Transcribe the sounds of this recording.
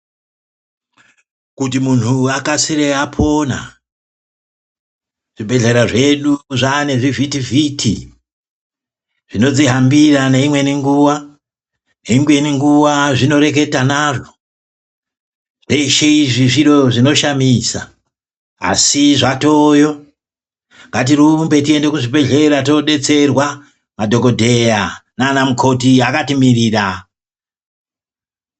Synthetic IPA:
kut̬imun̤uakasiɾeapʰo̞na̰ | ʐ̥ibʱe̞ɮeɾaʐe̞ɗuʐane̞ʐivitivʱitʰi | ʐ̥ino̞d͡ziɦambiraneimwe̞niŋɡuwa | neiŋɡuwe̞niŋɡuwaʐino̞ɾe̞k̬e̞tanaːʐo̥ | ʐe̞iʃeiʐiʐiɾoʐino̞ʃamisa | a̰siʐatojo̞ | ŋɡat̬irumbe̞tie̞nde̞kuʐibe̞ɮe̞ɾatoɗe̞t͡se̞rwa | madʱo̞ko̞dʱe̞janaːnamukʰo̞tiakatimiriːra

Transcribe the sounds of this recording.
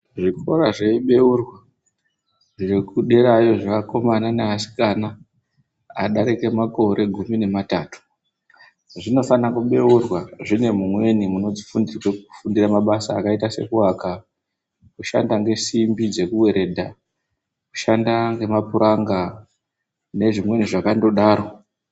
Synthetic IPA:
ʐikʰo̞ɾaʐeɓe̞urwa | ʐekuɗe̞ɾajo̞ʐakako̞mananeasi̥kana | aɗaɾeke̞mako̞ɾe̞ɡʱumine̞mataːtu̥ | ʐino̞fanakuɓe̞urwaʐine̞mumwe̞nimuno̞d͡zifundirweku̥fundiramaɓasaːkaitase̞̰kuwaka | kuʃa̰ndaŋɡe̞simbid͡ze̞kuwe̞ɾe̞dʱa | ku̥ʃandaŋɡe̞mapuɾaŋɡa | ne̞ʐimwe̞niʐakando̞ɗaːɾo̞

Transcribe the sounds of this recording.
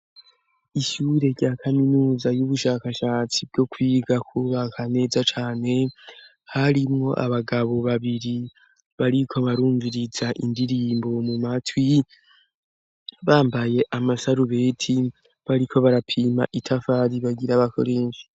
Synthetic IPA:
iʃuːɾe̞ɾɟaːkʰaminuːzajuβuʃaːkaʃaːt͡sibɟo̞kwiːɡakʰuβakʰane̞ːzat͡ʃaːne̞ | haɾimŋo̞ʔa̰βaɡaβo̞βaβiɾi | βaɾikʰo̞βaɾuːɱviɾizaʔindiɾiːmbo̞mumatwi | βaːmbaje̞ʔamasaɾuβeːtʰi | βaɾikʰo̞βaɾapʰiːma̰ʔitʰafaːɾiβaɡiɾaβakʰo̞̰ɾeːʃi̥

